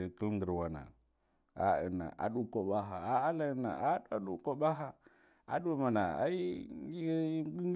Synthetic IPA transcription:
kə˦lŋɡə˨ɾwa˨na̰˨ | a̰˨ə̰˨na̰˨ʔa̰˨ɗu˨ko˨ɓa˦ɦa˨a˨˦a˦la˦na̰˨a˦a˦ɗu˨ko˨ɓa˦ɦa˨ | a̰˨ɗu˦ma˨na˨a̰˦i˦ | ŋ˦

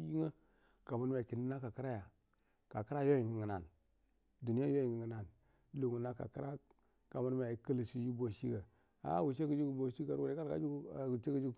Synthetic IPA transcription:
i˦ŋə˦ | ka˨mu˦ɾm˨a˨ki˨ni˦na˦ka˨ki˦ɾa˦ja˨ | ka˨ki˦ɾa˦jo˦ji˨ŋi˨ŋə˨na˨n | du˨ni˦ja˦jo˦ji˨ŋə˨ŋə˨na˨n | lu˨ŋu˨na˦ka̰˨ki˦ɾa˦ | ka˨mu˦ɾm˨a˨˦kə˦lsi˦ji˦bo˨ʃi˦ɡə˨ | a̰˨˦wu˨ʃe˦kə˨d͡ʒu˦ku˨bo˨ʃi˦ɡa˨ɾwo˨e˦ka˦ɾka̰˦d͡ʒu˦˨t͡ʃe˦kə˦d͡ʒu˦ɡ

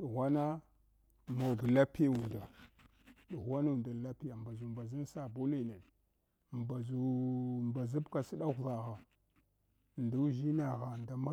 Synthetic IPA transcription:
ɗu˨ɣʷa˦na˦ | mo˨ɡla˦pe˦u˨nda˨ | ɗu˨ɣʷa˦nu˨nda˨la˦pi˦ja˨m˨ba˨zu˨mba˨zi˦n˦sa˦bu˦li˨ne˨ | mba˨zu˨mba˨zu˦bka˨si˦ɗa˦ɣva˨ɣa˨ | ndu˦ʒi˦na˨ɣa˨nda˨ma˦

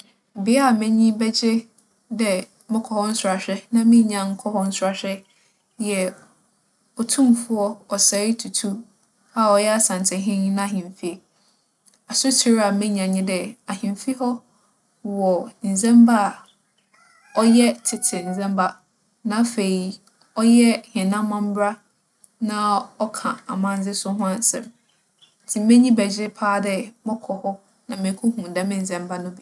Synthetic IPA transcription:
bɪ˨˦ɛ˦a˨mɪ̃˦ɲĩ˦bɛ˦d͡ʑe˦ | dɛ˨ | mɪ̃˦kʰɔ˨hɔ̃˦n̩˦sʊ˨ɾa˨ɕᶣɾɛ˦nã˦mɪ̃˦ɲã˨ŋ̩˦kʰɔ˦hɔ̃˦n̩˦sʊ˨a˨ɕᶣɛ˦˨ | ɛ˨ | ɔ˨tʰũ˦mfʊ˦ɔ˦ɔ˨sɛ˨˦i˦tʰu˨tʰu˦ | a˦ɔ˨jɛ˦a˦sã˨ntʰɪ̃˨ɦɪ̃˦ɲĩ˦nã˦˨ɦɪ̃˨mfi˦e˨ | a˨sʊ˦tʰi˦ɾa˨mɪ̃˦ɲã˨ɲɪ̃˦dɛ˨a˨ɦɪ̃˨mfi˦hɔ˦ | wɔ˨n̩˨zɛ̃˦mba˦˨ | ɔ˦jɛ˦tʰɪ˨tʰɪ˨n̩˨zɛ̃˦mba˦ | nã˨˦fe˨i˨ | ɔ˦jɛ˦hɛ̃˨nã˦mã˦m̩˦bɾa˦ | nã˦ɔ˦kʰã˨a˨mã˦n˦d͡zɪ˦sʊ˦ɦʊ̃˦a˦n˦sɛ̰̃˨m | n̩˨tʰi˨mẽ˦ɲĩ˦bɛ˨d͡ʑɪ˦pʰaː˦dɛ˦mɔ̃˦kʰɔ˨hɔ˦ | nã˨mẽ˨˦kʰʊ̃˦hũ˨dɛ˦mɪ̃˦n̩˨zɛ̃˦mba˦nʊ̃˦bi˨

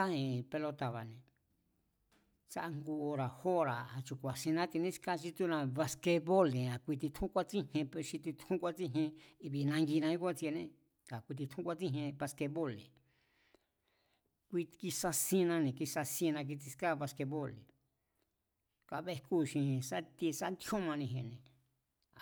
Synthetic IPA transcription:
a˦ẽ˧pe˧lo˧t̪a˨βa˨nẽ˨ | sa˧ʔa˧ŋɡu˧o˧ɾa˨ho˦ɾa˨a˨t͡ʃu˧kʷa˨sĩ˧nã˦t̪i˧nẽ˦ska˦˧t͡ʃi˧t̪u˦nã˧βa˧ske˧βo˦lẽ˨a˨kʷi˧t̪̬i˧t̪ʰũ˦kʷa˦t͡sĩ˦hẽ˧pʃi˧t̪i˧t̪ʰũ˦kʷa˦t͡si˦ɦẽ˧i˧βi˧nã˧ŋɡi˧nã˧ji˦kʷã˦t͡si˧e˧nẽ˦ | ka˨kʷi˧t̪̬i˧t̪ʰũ˦kʷa˦˧t͡sĩ˦ɦẽ˧pa˧ske˧βo˦lḛ˨ | kʷi˧ki˧sa˧sĩ˧nã˧nẽ˨ki˧sa˧sĩ˧nã˧k̬i˧t͡si˧ska˦βa˧ske˧βo˦lḛ˨ | ka˧βe˧ku˦˧˨ʃĩ˧ẽ˧sa˦t̪i˧sa˦nd̪hũ˦mã˧nĩ˧ɦẽ˧˨nẽ˨ | a˨

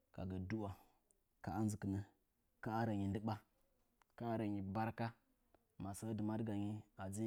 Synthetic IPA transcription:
ka̰˨ɡə˨du˦wa˨ | ka˨a˦n˦zə˨kə˨nə˦ | ka˦a˦ɾa˨ɲi˨ndə˦ɓa˦ | ka˦a˦ɾa˨ɲi˨ba˦ɾka˦ | ma˨sə˦də˨ma˦dɡa˨ɲi˦a˨d͡zi˦

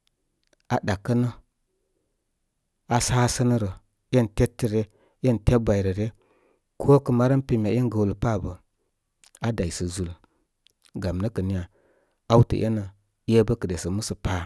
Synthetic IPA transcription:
a˨da˨kːə˦nə˦ | a˨saː˦sə˦nə˦ɾə˨ | je˦nte˦tːə˨ɾe˦ | je˦nte˦bʷa˨i˨ɾə˨ɾe˦ | kʰo˦kə˨ma˦ɾə˦npi˨mʲ˨a˨˦e˦nɡə˨wlə˨pa˦˨bə˨ | a˦da˨jsə˨zu˨l | ɡa˨mnə˦kə˨ni˦ja˨ | a˦wtə̰˨ʔḛ˦nə˨˦ | e˦bə˦kə˨de˨sə˨mu˦sə˨pa˦

